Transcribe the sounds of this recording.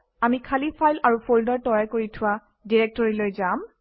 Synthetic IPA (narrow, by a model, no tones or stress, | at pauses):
amikʰalipʰajlaɹupʰoldɔɹtɔjakoɹitʰʊwa | diɹɛk̚tɔɹilojzam